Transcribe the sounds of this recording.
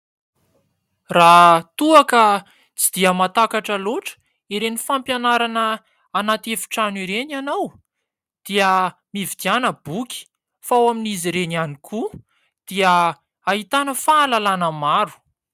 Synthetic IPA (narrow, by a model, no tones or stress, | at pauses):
rat̪uakə | t͡sid̪̥iəmat̪akaʈ͡ʂəloʈ͡ʂə̥ | iɾenifampjanaɾanəː | nat̪efi̥ʈ͡ʂaniɾeɲanaw | d̪̥iəmivid̪ianəbukʲi̥ | fawaminiziɾenianikʰu | d̪̥iə | aɦit̪anəfaːlalanəmaɾu̥